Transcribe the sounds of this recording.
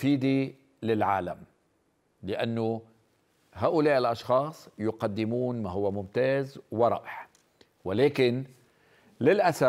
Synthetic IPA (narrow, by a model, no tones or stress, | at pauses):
fiːd̪i | lɪlʕa̰ːla̰m | lɪʔanːʊ | ɦaːʔʊlaːʔɪlʔɑʃxɑːsˤjʊqɑd̪ːɪmuːnmaɦʊwːamʊmt̪aːzwɪɾˤɑ̰ːʔɪħ | wɪleːkɪn | lɪlʔasa